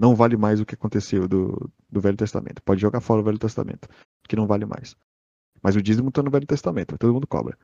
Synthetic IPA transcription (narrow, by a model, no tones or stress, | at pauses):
nɐ̃w̃valɪmajzd̪ʊkɪakõnt̪esewd̪ʊ̰ | d̪ʊvɛʎʊt̪est̪a̰mḛ̃nt̪ʊ̥pɔd͡ʒɪʒoɡaɾfɔɾɐd̪ʊvɛljʊt̪est̪a̰mḛ̃nt̪ʊ̥ | kɪnɐ̃w̃valɪma̰js | mɐzʊd͡ʒizmũt̪anʊvɛʎʊt̪est̪amẽnt̪ʊt̪od̪ʊmũʊkɔ̰bɾɐ